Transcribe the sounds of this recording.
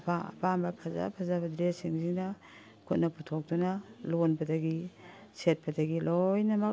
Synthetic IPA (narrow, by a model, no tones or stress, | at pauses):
paa̰pambɐpʰaza̰pʰazabɐdɾesiŋzina | kʰut̚nɐputʰok̚tunalonbɐdaɡiset̚bɐdaɡilojnɐmɐk